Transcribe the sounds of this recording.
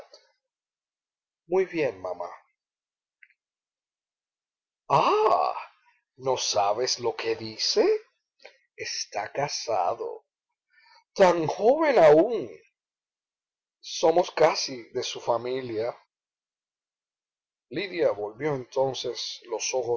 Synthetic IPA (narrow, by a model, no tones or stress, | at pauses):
mujβje̞nma̰ma̰ | a | no̞saβe̞slo̞ke̞ðise̞ | est̪akasa̰ðo̞̰ | t̪aŋxo̞βe̞nauŋ | so̞mo̞skasiðe̞sufamilja | liðjaβo̞lβjo̞e̞nt̪o̞nse̞slo̞so̞xo